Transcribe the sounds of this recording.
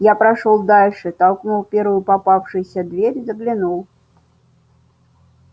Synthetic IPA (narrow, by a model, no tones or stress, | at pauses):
japɾɐʂɔlˠd̪alʲʂɨt̪alˠknuwpʲeɾvʊjʊpapafʂɨjsʲɐd̪vʲeɾʲzəɡlʲɪnulˠ